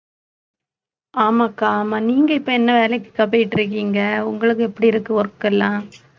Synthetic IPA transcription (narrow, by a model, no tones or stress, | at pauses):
aːmaːkːaːmaːniːŋɡɐɪpːoːɛnːɐʋeːlɐkːɯ̥kːɐpːɐjɪʈːɪɾɯk̬ːiːŋɡɐʊŋɡɐɭɯk̬ːɯɛpːɐɽiɪɾɯkːɯ̃ɔɾɯkːɐlːãː